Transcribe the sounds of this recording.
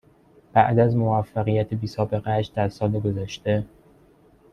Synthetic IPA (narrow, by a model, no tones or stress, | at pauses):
b̥æʔd̪æzmo̞væfːæɣijæt̪ʰebiːsɒːbe̞ɣeæʃd̪̥æɾsɒːleɡo̞zæʃt̪e